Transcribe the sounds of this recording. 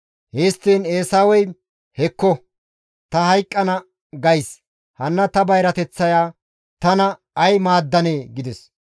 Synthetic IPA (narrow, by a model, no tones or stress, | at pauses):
heːst̪ːiːneːsaːwɔj | hɛkːɔ | t̪ɐhɐjkʼːɐnɐ | ɡɐjs | hɐnːɐt̪ɐbɐjɾɐt̪ɛt͡sːɐjaː | t̪ɐnɐ | ɐjmaːd̪ːɐneːɡɪd̪ɛs